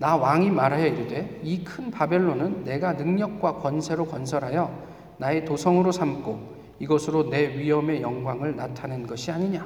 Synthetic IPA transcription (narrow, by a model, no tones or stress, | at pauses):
nawaŋimaɾɦajʌjude̞ikʰɯnpabe̞ɭːonɯnːe̞ɡanɯŋɲʌk̚k͈wakwʌnsʰe̞ɾokʌnsʰʌɾɦajʌ | nae̞tosʰʌŋɯɾosʰamk͈o | iɡʌsʰɯɾone̞ɥiɦʌme̞jʌŋɡwaŋɯɭnatʰanɯnɡʌɕʰiaɲiɲa